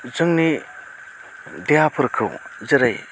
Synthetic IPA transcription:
zɯŋni | dejapʰɯɾkʰɯ̰wzɐɾaj

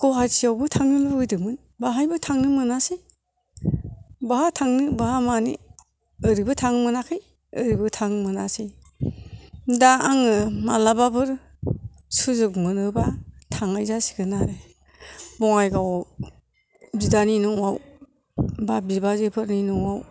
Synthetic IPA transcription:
kɔɦasijawbɯtʰaŋnimaɯdɯmɯn | baɦajbɯtʰaŋnɯmɯnase | bahatʰaŋnɯbahamanḭ | əɾibɯtʰaŋmɯnakʰɯj | əɾibɯtʰaŋmɯna̰se | daaŋɯmalababɯɾ | suzɯkmɯnɯbatʰaŋajzasi̥ɡɯnaɾe | bɔŋajɡaw | bidaninɔŋwaw | babibazepʰɯɾninɔŋaw

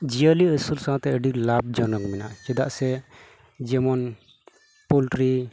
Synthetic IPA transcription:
d͡ʒijəliəsulsããt̪ɛəɖiklab̚d͡ʒɔnɔkmɛna̰ʔt͡ʃɛd̪aʔsɛ | d͡ʒɛmɔn | pulʈɾi

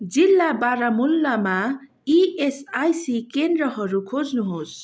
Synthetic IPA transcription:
d͡zilːabaɾamulːama | iesajsikend̪rʌɦʌɾukʰod͡znuɦos

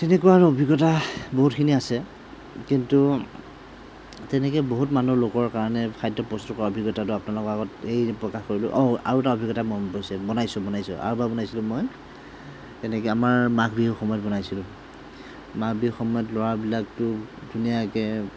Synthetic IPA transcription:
tɛnɛkuwaɹobʱiɡɔtaboɦutkʰiniasɛ | kintu | tɛnɛkɛjboɦutmanulokɔɹkaɹɔnɛkʰajdɔpɹɔstɔkɔɹaobʱiɡɔtatʊapɔnalʊkɔaɡɔtejpɹɔkaxkoɹilʊ̰ʔɔa̰ɹutaobʱiɡɔtamɔpojsɛbɔnajsʊ̃bɔnajsʊ̰a̰ɹubabɔnajsilʊ̃moj | tɛnɛkɔamaɹmakbiɦuxɔmɔjɔt̚bɔnajsilʊ̃ | makʰbiuxɔmɔjɔtlɔɹabilak̚tʊdʱunijakɛ

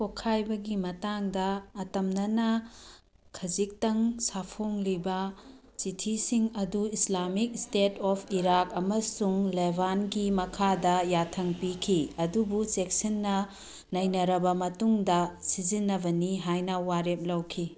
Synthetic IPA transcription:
kokʰːajbɐɡimɐtaŋdɐːtɐmnɐnɐ | kʰɐzik̚tɐŋsapʰoŋlibɐ | sitʰisiŋɐduislamik̚stetɔpʰiɾakɐmɐsuŋlebʱanɡimɐkʰadɐjatʰɐŋpikʰiɐdubusek̚sinːɐ | nɐjnɐɾɐbɐmɐtuŋdɐsizinːɐbɐniɦajnɐwaɾep̚lɐwkʰi

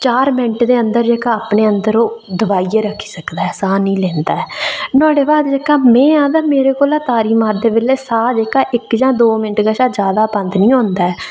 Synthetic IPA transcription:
t͡ʃaːɾmɪ̃ɳʈd̪eːənd̪əɾd͡ʒeːkaːaːpneːənd̪əɾoːd̪əbaːieːɾəkʰːi̥ːsəkd̪aːɦɛːsaːnĩːlɛːnd̪aːɛːnãːɽeːbaːd̪d͡ʒeːkaːmɛ̃ːãːd̪aːmeːɾeːkoːlaːt̪aːɾiːmaːɾd̪eːbɪleːsaːd͡ʒeːkaːʔɪkd͡ʒãːd̪oːmɪnəʈɡaːʃaːd͡ʒjaːd̪aːpə̃nd̪nĩːɦõːnd̪aːɛː

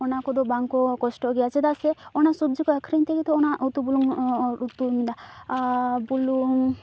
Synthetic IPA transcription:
ɔnakɔd̪ɔbaŋkɔkɔsʈɔɡijat͡ʃʰed̪aseɔnasubd͡ʒikɔɛkʰɾint̪ekit̪ʰɔːnaʔut̪ubuluŋɾut̪ːumid̪a | buluŋ

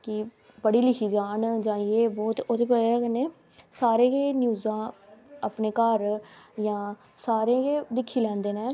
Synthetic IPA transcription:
kɪ | pəɽiːlɪkʰiːd͡ʒaːɳd͡ʒãːjeːbɔːt̪ot̪epəɛːkəneː | saːɾẽːɡeːnjuːzãːapneːkəɾjãː | saːɾẽːɡeːd̪ɪkʰːiːlɛ̃ːnd̪eːnẽː

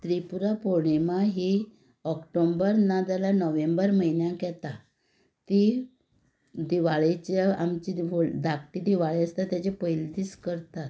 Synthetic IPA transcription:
t̪ɾipuɾapoɳemaɦi | ɔkʈombəɾnad̪alanəʋẽmbəɾməinjãkɛt̪a | t̪i | d̪iʋaɭet͡ɕeamt͡ɕiʋoɭd̪akʈid̪iʋaɭeəst̪at̪jat͡ɕepəjld̪iskəɾt̪at̪

